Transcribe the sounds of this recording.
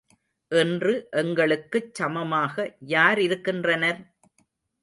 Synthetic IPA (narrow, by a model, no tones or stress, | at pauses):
ʔɛndrɯʔɛŋɡɐɭɯkːɯt͡ʃːɐmɐmaːɣɐjaːɾɪɾɯkːɪndrɐnɐɾ